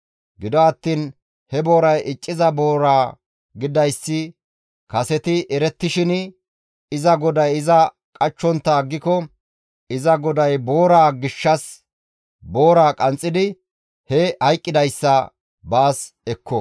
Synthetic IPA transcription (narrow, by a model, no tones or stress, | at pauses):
ɡɪd̪ɔɐt̪ːiːn | hɛbo̞ːɾɐjʔɪt͡ʃʼːɪzɐbo̞ːɾaː | ɡɪd̪ɐjsːɪ | kɐsɛt̪ɪʔɛɾɛt̪ːɪʃɪn | ɪzɐɡɔd̪ɐjɪzɐ | kʼɐt͡ʃːɔnt̪ːɐːɡːɪkɔ | ɪzɐɡɔd̪ɐjbo̞ːɾaːɡɪʃːɐs | bo̞ːɾaːkʼɐnt͡sʼːɪd̪ɪ | hɛhɐjkʼːɪd̪ɐjsːɐ | baːs | ɛkʰːɔ